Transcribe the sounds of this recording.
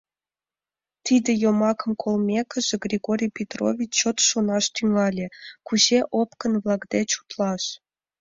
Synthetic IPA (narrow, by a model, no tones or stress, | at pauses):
t̪id̪ʲĕjomɑkə̆mkʰolˠmʲekə̆ʒĕɡrʲiɡoɾʲijpʲet̪ro̰vʲit͡ɕːot̪ʃonɑʃt̪yŋɑlʲĕkuʑeʔopkə̆nβlˠɑkd̪et͡ɕu̥t̪lˠɑʃ